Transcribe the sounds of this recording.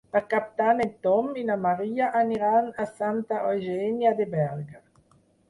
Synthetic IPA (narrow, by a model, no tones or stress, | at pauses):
akapt̪anent̪ɔminamaɾiːaʔaniɾanasant̪aojʒɛnjad̪ebɛlɡa